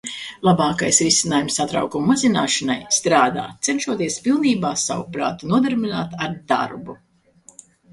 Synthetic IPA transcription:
lˠabaːkajsɾisʲinaːjumsːat̪ɾa̰wkumumazina̰ːʃanajst̪ɾaːd̪a̰ːt̪sɛnʃuɔt̪iɛspilˠniːbaːsa̰wṵpɾa̰ːt̪unuɔd̪ɛɾbʲinaːt̪aɾd̪a̰ɾbu

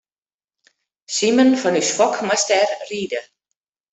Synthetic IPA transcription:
simənfɔnysfɔkmastɛrriːdə

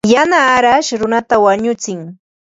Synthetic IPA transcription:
janaːɾaʃɾʊnat̪awaɲʊt͡sɪŋ

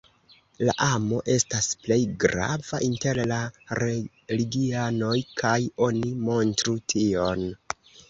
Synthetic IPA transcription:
la̰ʔamo̞ʔe̞stasple̞jɡɾa̰vaʔinte̞ɾlaɾe | liɡiano̞jkʰajo̞nimo̞ntɾutʰio̞n

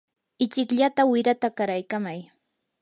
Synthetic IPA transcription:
ɪt͡ʃɪkʎat̪awɪɾat̪akaɾajkamaj

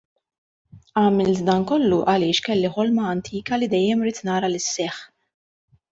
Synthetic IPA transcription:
ɐːmɪlt̪d̪ɐnkɔlːuʔɐlɪːʃkɛlːiħɔlmɐɐnt̪ʰiːkɐlid̪ɛjːɛmɾiːt̪nɐːɾɐlɪsːɛħ

